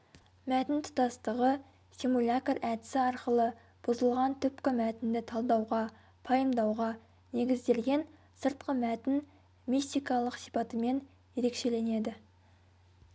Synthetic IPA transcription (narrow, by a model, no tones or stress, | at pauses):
mæt̪ɪnt̪ʰʊ̥t̪ɑst̪əʁə | simulʲat̪oɾʔæt̪ɪsɪɑɾqəlˠə | b̥ʊzəlˠʁɑnt̪ʰʏpkʲɪmæt̪ɪnd̪ɪt̪ʰɑlˠd̪ɑwʁɑ | pʰɑjəmd̪ɑwʁɑ | ne̞ɡʲɪzd̪e̞lɡʲe̞n | səɾt̪̚qəmæt̪ɪn | mist̪ijkɑlˠəqsijpɑt̪əme̞n | je̞ɾe̞kʃe̞le̞ne̞d̪ɪ